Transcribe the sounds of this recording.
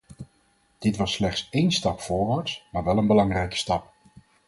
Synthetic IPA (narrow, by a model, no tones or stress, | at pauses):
d̥ɪtʋɑsːlɛχtsejnstɑpfʊːɹʋaːɹtsmaːɹʋɛlˠənbəlɑŋrɛjkə̥stɑp